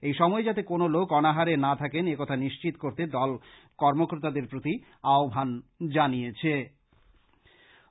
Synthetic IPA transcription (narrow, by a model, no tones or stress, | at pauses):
ejʃɔmɔed͡ʑat̪ekonolokɔnaɦaɾenat̪ʰakenekɔt̪ʰaniʃt͡ɕit̪okoɾt̪ed̪ɔl | kɔɾmokoɾt̪ad̪eɾpɾot̪i | aobʱand͡ʑanijet͡ɕʰe